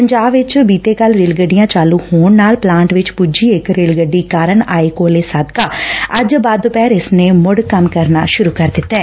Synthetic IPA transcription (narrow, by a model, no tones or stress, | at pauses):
pəɲd͡ʒaːbʋɪt͡ʃbiːt̪eːkəlɾeːlɡəɖijãːt͡ʃaːluːhoːɳnaːlplãːɳʈʋɪt͡ʃpud͡ʒiːɪkɾeːlɡəɖːiːkaːɾəɳaːeːkoːleːsəd̪kaːəd͡ʒbaːd̪ːʊpɛːɾɪsneːmʊɽkəmkəɾnaːʃʊɾuːkəɾd̪ɪt̪ːɛː